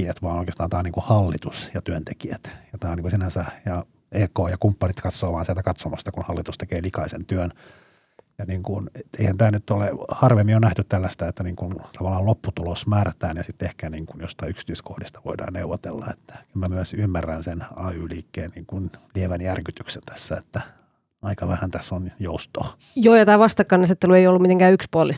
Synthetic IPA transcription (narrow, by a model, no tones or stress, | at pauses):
æt̪ʋɑːnoikest̪ɑːnt̪ɑːniŋkuhɑlːit̪usjɑt̪yønt̪ekiæt̪jɑt̪ɑːniːŋkusinænsæjɑ | eːkoːjɑkumpːɑnit̪kɑt̪soːʋɑːnsiælt̪ækɑt̪somɑst̪ɑkunhɑlːit̪ust̪ekeːlikɑisḛnt̪yøn | jɑniːŋkunet̪eihænt̪æːnyt̪ːolehɑrʋemːijonæht̪yt̪t̪ælːæst̪æet̪ːæniːŋkunt̪ɑʋɑlːɑːllopːut̪ulosmæːræt̪æːnjɑsit̪ːehkæniːŋkunjost̪ɑyksi̥t̪yiskohdist̪ɑʋo̰idɑ̰ːnnḛuʋːot̪ḛlːɑ̰et̪ːæ̥kylmæmyæsymːærːænsenɑːyːliːkːeːnniːŋkunlieʋænjærkyt̪yksent̪æ̥sːæet̪ːæ | ɑikɑʋæhænt̪æsːonjoust̪oː | joːjɑt̪æːʋɑst̪ɑkːɑːnɑset̪ːelueijolːumit̪eŋkæːykspuolis